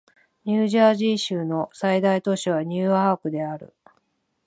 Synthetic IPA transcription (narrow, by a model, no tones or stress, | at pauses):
ɲʲɨːʑaːʑiːɕɨːno̞said̪ait̪o̞ɕiβ̞aɲ̟ʲɨːaːkɯ̟d̪e̞aɾɯ̟̰